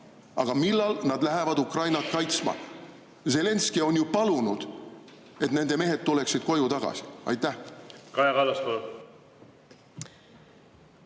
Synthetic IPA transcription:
ʔɑ̰ɡ̥ɑmilːɑlnɑd̪læɦevɑd̪ukrɑjnɑt̪̚kɑjt̪smɑ̰ | ze̞le̞nskio̞njupɑlunud̪̥ | e̞t̪ne̞nd̪eme̞ɦe̞d̪̚t̪ule̞ksid̪̥ko̞jut̪ɑɡ̥ɑ̰si̥ɑ̰jt̪ːˑæhkɑjɑɡɑlɑst̪o

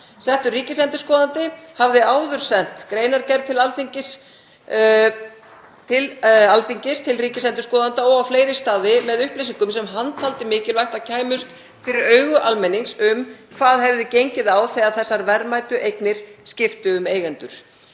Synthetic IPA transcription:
sɛn̥t̪ʏriːcɪsɛnt̪ʏ̥skɔːðant̪ɪhavðɪaːwðʏɾ̥sɛn̥t̪kɾeːjnaɾcɛɾð̚t̪ʰɪlalθiɲcɪs | t̪ʰɪlalfiɲcɪst̪ʰɪlriːcɪsɛnt̪ʏ̥skɔːðant̪aɔɣawfleːjɾɪst̪aːðɪmɛðʏhplejsiŋkʏmsɛmɦant̪ʰalt̪ɪmɪːcɪlvajht̪aðcʰaːjmʏst̪ | fɪɾɪɾœːɥɣʏʔalmɛnːiŋsʏmkʰvaːðɦɛvðɪcejɲcɪðaːwθeaðθɛsːaɾvɛɾmajt̪ʏʔejknɪɾ̥scɪft̪ʏːmeːjɣɛnt̪ʏɾ̥

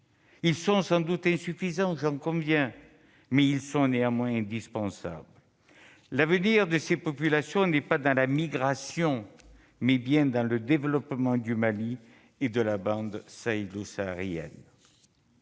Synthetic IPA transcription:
ilsɔ̃sɑ̃d̪ut̪ɛ̃syfizɑ̃ʒɑ̃kɔ̃vjɛ̃ | mɛilsɔ̃neɑ̃mwɛ̃ɛ̃d̪ispɑ̃sa̰bl | lavəniʁd̪əsepɔpylasjɔ̃nɛpad̪ɑ̃lamiɡʁasjɔ̃ | mɛbjɛ̃d̪ɑ̃ləd̪evəlɔpmɑ̃d̪ymali | ed̪əlabɑ̃d̪saelosaʁjɛ̰n

